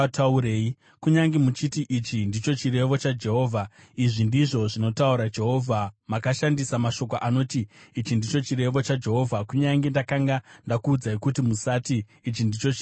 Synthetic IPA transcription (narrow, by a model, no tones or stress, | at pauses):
tauɾeːi | kuɲaŋɡemut͡ʃitiʔit͡ʃindit͡ʃo̞t͡ʃire̞ʋo̞t͡ʃad͡ʒe̞ɦo̞ːvʱa | iʐindiʐo̞ʐino̞tauɾad͡ʒe̞ɦo̞ːvʱamakaʃandisamaʃo̞k̬oʔano̞ːtiːt͡ʃindit͡ʃo̞t͡ʃiɾe̞ʋo̞t͡ʃad͡ʒe̞ɦo̞ːvʱakuɲaŋɡe̞ndakaŋɡandakuːd͡zaikutimusatiː | t͡ʃindit͡ʃo̞t͡ʃ